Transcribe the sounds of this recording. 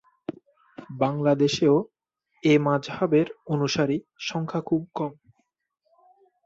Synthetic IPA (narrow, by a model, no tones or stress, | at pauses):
baŋlad̪eʃeo | emãd͡ʑɦabeɾonuʃaɾi | ʃɔŋkʰakʰub̚kɔm